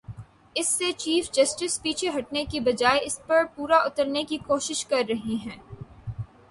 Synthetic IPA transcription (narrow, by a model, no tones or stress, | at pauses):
ɪsːet͡ʃiːfd͡ʒɐsʈɪspiːt͡ʃʰeɦɐʈ̚nekibɐd͡ʒaːeɪspɐɾpuːɾaʔʊt̪əɾnekikoːʃɪʃkɐɾːɐɦiɦɛ̃ː